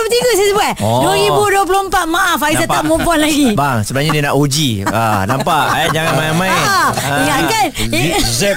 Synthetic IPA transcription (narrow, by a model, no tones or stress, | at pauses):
t̪iɡus̬isəbaduoɣipuduəp̬ulompat̪̚maʔafaisaaʔ̚mumpɔnlaɡibaŋsəbənaɲadiənaʔud͡ʒianampaʔd͡ʒaŋanmajamãjiŋankan